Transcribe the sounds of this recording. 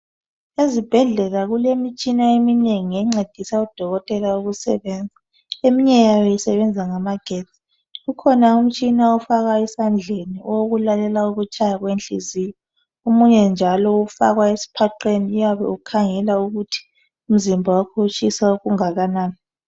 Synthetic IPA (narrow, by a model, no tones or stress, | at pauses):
ezib̥ʱɛɮɛɣaɣulemit͡ʃʼinaemineŋiɛŋ͡ǀed̥ʱisaud̥ʱɔɣɔtʼɛlauɣusɛ̰βɛːnd͡zʱa | emiɲɛjajɔjɛsɛβɛnd͡zʱaŋamaɡ̥ʱei | ɣukʰɔnaum̩t͡ʃʼinaufaɣaɛsand͡ɮʱeniɔoɣulalɛlauɣut͡ʃʼajaɣwent͡ɬḭzijɔ | umuɲɛnd͡ʒʱalɔufa̰ɣwaesi̥pʰaǃeniujaβɛ̰ukʰaŋɛlauɣutʰi̥ | um̩zimbʱawakʰot͡ʃʼisauɣuŋaɣanaːn